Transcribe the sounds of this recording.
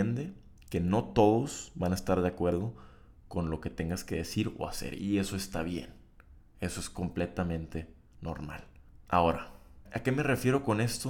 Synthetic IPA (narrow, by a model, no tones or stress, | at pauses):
end̪e̞ | ke̞no̞t̪o̞ðo̞z̥βanaest̪aɾðeakwe̞ɾð̞o̞ | ko̞nlo̞ke̞t̪e̞ŋɡaske̞ðe̞siɾo̰a̰se̞̰ɾḭe̞so̞e̞st̪aβje̞̰n | e̞so̞e̞sko̞mple̞t̪amẽ̞nt̪e̞ | no̰ɾma̰la̰o̞ɾaake̞me̞re̞fje̞ɾo̞ko̞ne̞st̪o